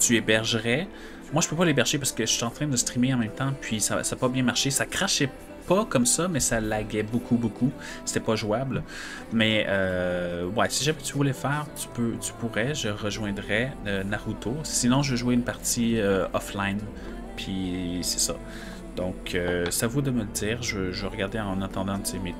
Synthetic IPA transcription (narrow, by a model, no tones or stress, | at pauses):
t̪yebɛʁʒəʁɛ | mwaʒə̥pøpalebɛʁʒepaʁsə̥kəʃiɑ̃t̪χɛ̃d̪əst̪χimeɑ̃mɛ̃mt̪ɑ̃pʰɥisa̰sapabjɛ̃maʁʃesakχaʃɛ | pakɔmsamɛsalaɡʲɛbokʰubokʰu | se̥t̪ɛpaʒuabl | mɛø | wɛsiʒamɛt̪yvulɛfɛːʁt̪y̥pøt̪y̥puʁɛʒəʁəʒwɛ̃d̪ʁɛønaʁut̪osinɔ̃ʒəvəʒueynpaʁt̪iøɔflajn | pʰɥisɛ̥sʌ̰ | d̪̥ɔ̃kʰøsavud̪əmələd̪iːʁʒəəʒəvəʁəɡaʁd̪eɑ̃nat̪ɑ̃d̪ɑ̃t͡seme